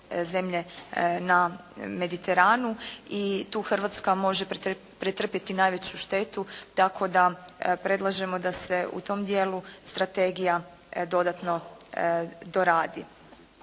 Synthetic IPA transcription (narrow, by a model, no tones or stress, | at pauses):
ze̞mʎe̞name̞d̪it̪e̞ɾaːnuit̪uːxr̩ʋat̪skamo̞ʒe | pɾet̪r̩pje̞t̪inaːjʋe̞t͡ɕuʃt̪e̞t̪ut̪akʰo̞d̪apɾe̞d̪lˠaʒe̞mo̞d̪ase̞ṵt̪o̞md̪je̞ːlˠust̪ɾat̪e̞ɡija | d̪o̞d̪at̪no̞ | d̪o̞ɾaːd̪i